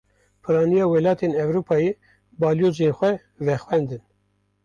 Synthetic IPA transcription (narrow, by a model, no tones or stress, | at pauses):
pʰɨɾɑːnijɑːwɛlɑːt̪ʰeːnɛvɾuːpʰɑːjeː | bɑːljoːzenxʷɛ | vɛxwɛnd̪ɨn